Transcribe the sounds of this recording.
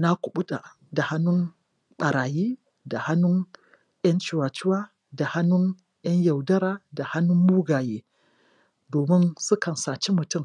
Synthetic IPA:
na˦kʷʊ˨ɓu˦ɗa̰˨ | da˨ha˦nːʊ˦n | ɓɐ˨ɾaː˨jiː˦ | da˨ha˦nːʊ˦ŋ | j̰ʲɐ˦nt͡ʃi˨waː˨t͡ʃɪ˦waː˦ | da˨ha˦nːʊ˦n | j̰ɐ˦ɲja˨wdɐ˦ɾaː˨da˨ha˦nʊ˦mːuː˦ɡaː˨jeː˦ | doː˨mɪ˦nsʊ˦kɐ˨nsaː˨t͡ʃi˦mʊ˨tʊ˦˨m

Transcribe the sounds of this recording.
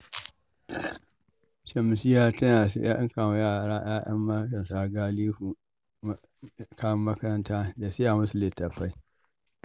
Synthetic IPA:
ʃɐ˨m˨si˦jaː˦tɐ˦na˨sa̰˦ʔɪ˦ŋka˨wjaː˦˨ɾaː˦ʔaː˦jɐ̰˦mːa˦kɐ˨nsaː˦ɡa˦liː˦ɸu˨˦ | kaː˦wɐ˦mːɐ˦kɐ˦ɾɐ˦ntaː˦da˨se˦ja˨mʊ˦su˨le˨tɐ˨ɸa˦j

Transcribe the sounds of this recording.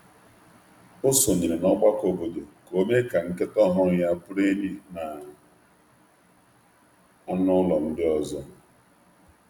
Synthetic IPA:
ʊ˦so˨ɲe˨ɾe˨nɔ˦ɡ͡ba˦ko˨bo˨do˨ko˦me˦ka˨ŋ̩˦ke˦tɔ˦ɦʊ˦ɾja˦pʊ˦ɾe˦ɲi˦na˨ | a˦nʊ˦lɔ˨n̩˦dɪ˦ɔ˨zɔ˦

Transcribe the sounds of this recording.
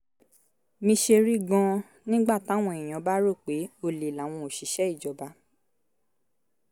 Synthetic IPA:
mĩ˧ʃe˧ɾi˦ɡɔ̃˧ | nĩ˦ɡ͡ba˦˨ta˨˦w̃ɔ̃˧i˨j̃ɔ̃˨˧˦ba˦ɾo˦˨k͡pe˨˦o˧li˨la˨˦w̃ɔ̃˧o˨ʃi˨˦ʃɛ˦i˦˨d͡ʒɔ˨ba˧˦

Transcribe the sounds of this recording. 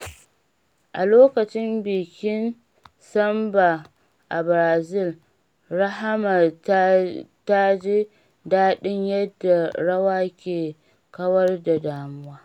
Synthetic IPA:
ʔa˨loː˦kɐ˨t͡ʃɪ˦mbɪː˨kʲɪ˦n | sɐ˦mba˨ | ʔa˨bɾaː˨zɪ˦˨l | ɾa˦ɦa˦ma˨ | ta˦d͡ʒe˦ | daː˦ɗɪ˦ɲjɐ˦dːa˨ɽɐ˦waː˦kʲeː˨ | kɐ˦wɐ˦rda˨daː˨mʊ˦waː˦

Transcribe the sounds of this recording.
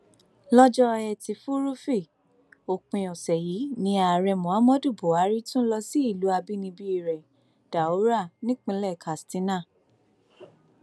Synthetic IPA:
lɔ˦d͡ʒɔ˦ɛ˧˨ti˧˦fu˦ɾu˦fi˦˨ | o˨k͡pĩ˨ɔ˨sɛ˨ji˨˦nĩ˧˦a˨ɾɛ˧mɔ̃˨a˨˦mɔ̃˦du˦˨bo˨˦a˨˦ɾi˦tũ˦lɔ˧si˨˦i˦˨lu˨˦a˧bi˦nĩ˧bi˦i˧˨ɾɛ˨ | d̥a˨o˨˦ɾa˦˨nĩ˦k͡pĩ˧˦lɛ˦˨kʰa˨stĩ˨˦nã˦˨

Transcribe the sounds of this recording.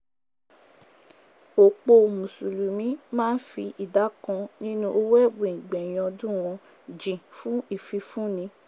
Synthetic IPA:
o˨k͡po˧˨mũ˨su˨lu˨mĩ˨˦mãː˦n̩˦fi˧ʔi˨da˨˦kɔ̃˧nĩ˦nũ˦o˧wɛ˦˨bõ˨ĩ˨ɡ͡bɛ̃˨j̃ɔ̃˧dũ˦˨w̃ɔ̃˧ | d͡ʒĩ˨fũ˦i˦˨fi˧fũ˦˨nĩ˧

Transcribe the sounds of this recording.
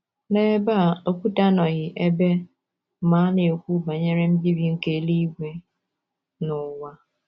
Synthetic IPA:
ne˦ba˦˨o˦kʷu˦ta˦nɔ˨ɣɪ˨ʔe˦be˦ | ma˨˦nɪ˨o˨kʷu˦ba˨ɲe˦ɾe˦m̩˦bi˦bi˨ŋ̩˦ke˦li˦ɡʷe˦ | nʊ˨wa˦

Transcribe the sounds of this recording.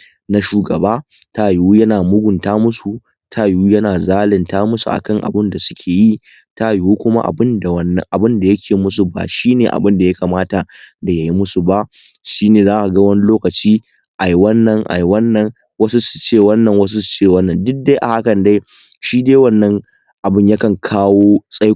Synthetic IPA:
na˦ʃuː˨ɡɐ˨baː˦ | ta˦˨jwuː˦jɐ˦naː˨mʊ˦ɡʷʊ˨ntaː˦mʊ˦su˨ | tʰa˦jwuː˦jɐ˦naː˨zaː˦lɪ˨ntaː˦mʊ˦su˨ʔa̰˨kɐ˦ŋʔa̰˨bɪ˦nda˨sʊ̥˦kʲʰeː˨ji˦ | ta˦˨jwuː˦kʷʊ˦ma̰˦ʔa̰˨bɪ˦nda˨wɐ˦nːɐ̰˨ʔa˨bɪ˦nda˨jɐ˦kʲʰeː˨mʊ˦s̬u˨ba̰ː˨ʃiː˦neː˨ʔa̰˨bɪ˦nda˨ja˦kaː˨maː˦ta˨da˨ja˨ji˦mʊ˦su˨ba˦ʔ | ʃiː˦neː˨zaː˦ʔa˨ɡɐ˦wɐ˦ni˦loː˦kɐ˨t͡ʃiː˦ | ʔa˨ji˨wɐ˦nːɐ˨ŋʔa̰˨ji˨wɐ˦nːɐ˨˦ŋ | wɐ˦su˦su̥˨t͡ʃeː˦˨wɐ˦nːɐ˨ŋwɐ˦s̬u˦su̥˨t͡ʃeː˦˨wɐ˦nːɐ˨ndʊ˦k̚da˦jʔa̰˨ha˦kɐ˨nda˦j | ʃiː˦de˦jwɐ˦nːɐ˦ŋ | ʔa˨bɪ˦˨ɲja˦kɐ˨ŋkʰaː˦woː˦sʼa˦

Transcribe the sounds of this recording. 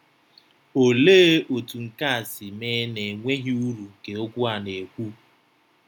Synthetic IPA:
o˨leː˦ʔo˨tu˨ŋ̩˨ka˦a˨sɪ˨meː˦ne˨ŋʷe˦ɦi˦u˦ɾu˨ŋ̩˨ke˨o˦ɡʷʊ˦a˨ne˨kʷu˦

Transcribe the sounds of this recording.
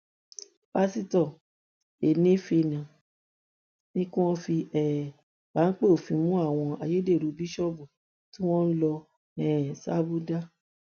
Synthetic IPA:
ba˦si˦tɔ˨ | e˨nĩ˦fi˧nã˨ | nĩ˦kũ˦ɔ̃˦fi˧ɛ˨ | ba˨˦k͡pe˦o˨fĩ˧mũ˦a˦˨w̃ɔ̃˧a˨je˦de˦˨ɾu˨˧bi˦ʃɔ˦bu˨ | tĩ˦w̃ɔ̃˦lɔ˧ | ɛ˦˨sa˦bu˦da˦

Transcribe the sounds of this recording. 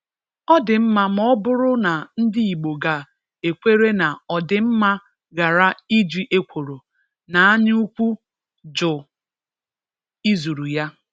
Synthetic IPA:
ɔ˦dɪ˨m̩˦ma˦mɔ˦bʊ˦ɾʊ˦na˨n̩˦di˦i˨ɡ͡bo˨ɡa˨ | e˨kʷe˦ɾe˦na˨ɔ˨dɪ˨m̩˦ma˦ | ɡa˨ɾa˦i˦d͡ʒi˨ʔe˦kʷo˨ɾo˨ | na˨a˦ɲ˦u˦kʷu˦ | d͡ʒʊ˨ | i˦zu˨ɾu˨ja˦

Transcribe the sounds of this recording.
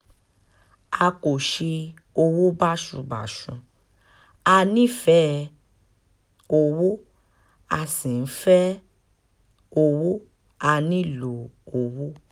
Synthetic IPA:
a˧ko˨ʃe˧ | o˧wu˦ba˦ʃũ˧ba̰˨ʃũ˨˧ | a˧nĩ˦˨fɛ˦ | o˧wo˦ | a˧sĩ˨n̩˦fɛ˦ | o˧wu˦ | a˧nĩ˦˨lo˨o˧wu˦

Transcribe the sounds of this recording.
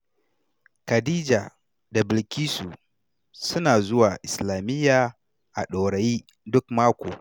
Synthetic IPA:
kɐ˨diː˦d͡ʒa˨ | da˨bɪ˨lkʲiː˦su˨ | sʊ˦naː˨zʊ˦waː˨ʔɪ˨slaː˨mɪ˦jːaː˨ | ʔa̰˨ɗo˨ɽɐ˨jiː˦ | dʊ˦kmaː˦kʷo̰ː˨

